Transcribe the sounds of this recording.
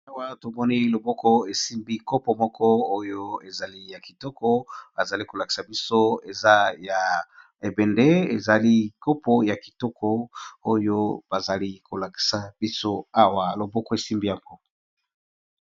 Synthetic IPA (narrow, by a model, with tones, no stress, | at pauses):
a˦wa˦to˨mɔ˦ni˦lo˨bɔ˦kɔ˦e˨si˦mbi˦ko˦pɔ˨mɔ˦kɔ˦o˦jo˦e˨za˨li˦ja˨ki˨tɔ˦kɔ˦a˨za˨li˦ko˨la˨ki̥˨sa˨bi˦so˦e˨za˦ja˨ | e˨be˨nde˦e˨za˨li˦ko˦pɔ˦ja˨ki̥˨tɔ˦kʰɔ˦o˦jo˦b̥a˨za˨li˦ko˨la˨ki̥˨sa˨b̥i˦so˦a˦wa˨lo˨bɔ˦kɔ˦e˨si˦mbi˦ja˨ŋɡo˦